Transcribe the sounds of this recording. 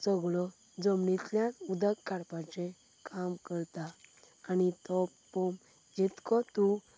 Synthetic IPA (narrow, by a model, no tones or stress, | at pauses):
t͡səɡɭɔ | d͡zɔmɳit̪ljãnud̪əkːaɾpãt͡ɕẽ | kʰamkəɾt̪aː | nit̪ɔ | pɔm | d͡ʑit̪kɔt̪ũ